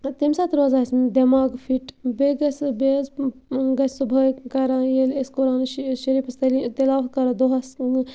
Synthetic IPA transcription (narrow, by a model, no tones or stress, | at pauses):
t̪imsaːt̪ʰɾoːzaːsmd̪ɐmaːɡfiʈbeɡɐsbezɡɐsʰʲsubʱɐkɐɾãːjeleskoɾaːnʃɐɾiːpɐst̪ɐlit̪ɐlaːwt̪̚kɐɾɐd̪oɦɐs